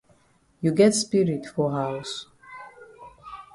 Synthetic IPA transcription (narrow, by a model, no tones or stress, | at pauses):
juɡɛtspiɹitfɔɦaws